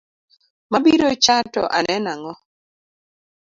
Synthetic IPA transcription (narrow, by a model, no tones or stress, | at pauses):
mabiɾot͡ʃatɔ̰ʔa̰nɛnaŋɔ